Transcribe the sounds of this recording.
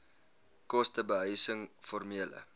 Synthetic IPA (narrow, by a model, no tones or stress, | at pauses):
kɔstəbəɦœjsəŋfɔrmiələ̰